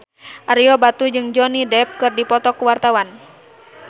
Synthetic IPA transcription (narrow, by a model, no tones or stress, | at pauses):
ʔaɾiɔbat̪ud͡ʒɨŋd͡ʒɔnidɛp̚kɨrdipɔt̪ɔkuwart̪awan